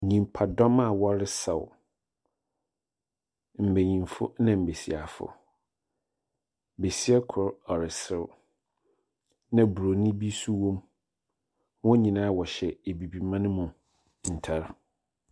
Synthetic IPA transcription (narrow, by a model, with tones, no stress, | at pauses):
ɲĩ˨m˨pʰa˨dɔ˦ma˨wɔ˦ɾɪ˦sɛ˨wʊ˨ | m̩˨be˨ɲĩ˨mfʊ̰˦nã˨m̩˨be˨si˨a˨fʊ̰˦ | be˨si˦ɛ˦kʰʊ˨ɾɔ˨ɾɪ˨sɪ˦ɾ | nã˦bu˨ɾo˨nɪ̃˦bi˦su˦wɔ̃˦m | wɔ̃˦ɲĩ˨nãː˦wɔ˨ɕɛ˨e˨bi˨bi˨mã˦nʊ̃˦mʊ̃˨ | n̩˨tʰa˦ɾ